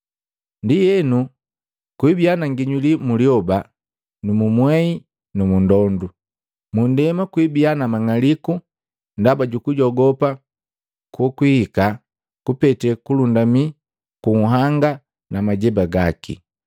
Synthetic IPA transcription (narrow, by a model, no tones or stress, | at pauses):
ndijɛnu | kwibianaŋɡiɲulimuliɔba | numumwɛi | numundɔndu | mundɛmakwibianamaŋaliku | ndabaɟukuɟɔɡɔpa | kukwihika | kupɛtɛkulundami | kuŋ̩ɦaŋɡa | namaɟɛbaɡakḭ